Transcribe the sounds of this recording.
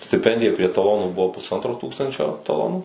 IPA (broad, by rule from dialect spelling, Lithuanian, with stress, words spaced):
sʲtʲɪˈpʲɛnʲdʲɪjɛ pʲrʲiɛ tɐˈlˠoːnuː ˈbʊʋoː pʊsˈɐntroː ˈtuːkstɐnʲt͡ʃʲoː tɐˈlˠoːnuː